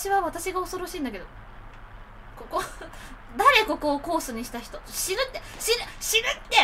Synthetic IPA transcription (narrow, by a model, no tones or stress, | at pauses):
ɕiβaβat̪aɕiɡao̞so̞ɾo̞ɕĩːnd̪akeo | koko | d̪aɾe̞ko̞ko̞ːko̞ːsɨɲ̟iɕi̥t̪açi̥t̪oɕiɾɯ̟t̪ːeɕiɾɯɕiɾɯ̟t̪ːe̞